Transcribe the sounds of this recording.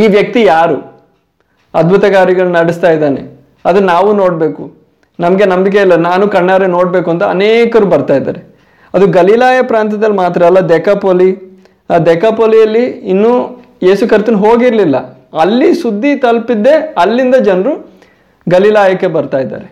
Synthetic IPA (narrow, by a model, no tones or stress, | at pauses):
iːʋjɐk̚t̪ijaːɾu | ɐd̪̚bʱut̪ɐɡaːɾiɡɐɭunɐɽist̪aːjid̪aːnḛ | ɐd̪ɐnaːʋuno̞ːɽbe̞ːku | nɐmɐɡe̞nɐmbikelːɐnaːnukɐɳːaːɾeno̞ːɽbe̞ːkuɐnt̪ɐɐ̰neːkɐɾuːbɐɾt̪aːjd̪a̰ːɾe | ɐd̪uɡɐlilaːjɐpɾaːnt̪̬ɐd̪ɐlːmaːt̪ɾɐːlːɐd̪ɛkapoːli | ad̪ɛkapoːlijɐlːiinːu | je̞ːsukiɾst̪ɐnɦoːɡiɾlilːɐ̰ | ɐlːisud̪ʱːit̪ɐlpid̪ːe̞ɐlːind̪ɐd͡ʒɐnɐɾu | ɡɐlilaːjɐkːebɐɾt̪aːjd̪ːa̰ːɾe